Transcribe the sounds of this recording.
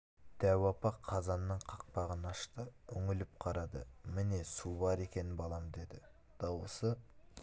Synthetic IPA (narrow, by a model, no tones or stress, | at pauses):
d̪̥æwɑpɑqʰːɑzɑnːəɴqʰɑq̚pɑʁənɑʃt̪əʏŋɪlɪp̚qʰɑɾɑd̪ə̰mɪne̞subɑɾe̞kʲe̞nɪnbɑlˠɑmd̪e̞d̪ɪ | d̪̥ɑwəsə